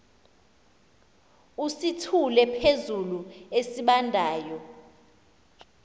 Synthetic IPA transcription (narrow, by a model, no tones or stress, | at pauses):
usitʰulɛpʰezuluesiɓandʱaːjɔ